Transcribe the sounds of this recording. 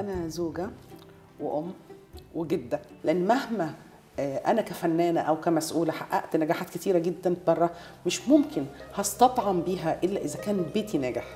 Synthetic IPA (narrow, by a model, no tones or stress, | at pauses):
ʔænæzoːɡæ | weʔomːweɡed̪ːæleʔenːmæhmæ | ʔænækæfænːæːnæʔæwkæmæsʔuːlæħaʔːæ̰ʔt̪næɡæːħaːt̪ket̪iːɾæɡed̪ːænbɑrˤːɑ | meʃmomkʰenhɑst̪ɑt̪ˤʕɑmbiːɦæʔelːæʔezækæːnbeːt̪inæːɡæħ